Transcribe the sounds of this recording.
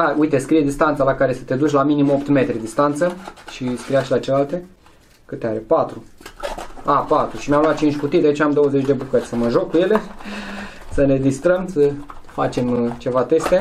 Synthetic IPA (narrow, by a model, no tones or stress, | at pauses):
auit̪e̞skɾijed̪ist̪ant̪salakaɾe̞sə̥t̪e̞d̪ut͡ʃʲlaminimo̞pt̪me̞t̪ɾed̪ist̪ant̪səʃiskɾijaʃʲlat͡ʃelealt̪e̞ | kɨt̪eaɾepat̪ɾu | apat̪ɾuʃimjamlat̪̚t͡ʃint͡ʃʲkut̪itd̪ʲait͡ʃamd̪o̞wəze̞t͡ʃʲd̪e̞bukəɾʲsəməʒo̞kːuje̞le | səne̞d̪ist̪ɾəmsə | fat͡ʃe̞mt͡ʃe̞vat̪e̞st̪e̞